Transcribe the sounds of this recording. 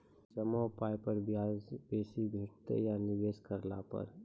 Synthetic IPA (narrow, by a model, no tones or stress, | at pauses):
d͡ʒəmɔpaːjpəɾbaːzbeːsibʱeːʈt̪ḛjanɪʋeːskəɾlapə̰ɾ